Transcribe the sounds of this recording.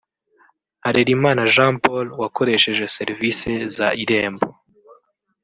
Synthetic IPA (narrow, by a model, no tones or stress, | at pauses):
haɾeɾimaːnaʒãːmpolwako̞ɾe̞ʃe̞ʒe̞se̞ɾvise̞zaiɾe̞ːmbo̰